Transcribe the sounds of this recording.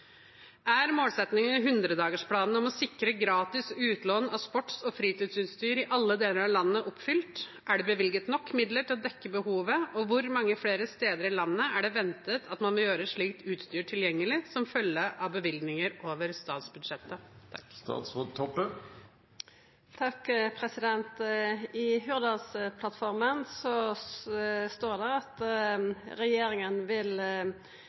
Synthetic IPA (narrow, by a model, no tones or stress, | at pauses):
æɾmoːlsɛt̪nɪŋənɦʉnd̪ɾəd̪ɑːɡəʂpʰlɑːnn̩ɔmɔsɪkːɾəɡɾɑːt̪ɪsʉːt̪loːnɑʋspɔʈːsɔfɾiːt̪ɪːd̪syːnst̪yːɾɪʔɑlːəd̪eːləɾɑʋlɑnːəʔɔpfʏlt̪ | ʔæɖɛbəʋɪlɡət̪nɔkːmɪd̪ləʈʰɪlɔd̪ɛkːəbəhuːʋəɔʋʊɾmɑŋːəfeːɾəst̪eːd̪əɾɪlɑnːəæɖɛʋɛnt̪ət̪ʰɑt̪mɑnʋɔljøːɾəʂɭiːkt̪ʉːt̪st̪yːʈʰɪljɛŋːəlɪsɔmfœlːəʔɑʋbəʋɪlɡ̪nɪŋəɾoːʋəɾst̪ɑːt̪sbʉd̪ʂɛt̪ːət̪ʰɑkːt̪ɑ̰ːt̪sɔt̪ʰɔpːə | t̪ʰɑkpʰɾɛsɪd̪ɛnt̪ɪɦʉʁd̪ɑspʰlɑt̪fɔɾmənsɔ | st̪oːɖɛʁɑt̪ | ɾɛjeːɾɪŋənʋɪl